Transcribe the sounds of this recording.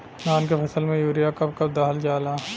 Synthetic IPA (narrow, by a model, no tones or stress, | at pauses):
naːnkepʰɐsəlmẽjuːɾijakɐp̚kɐb̚d̪aːɦld͡ʒaːlaː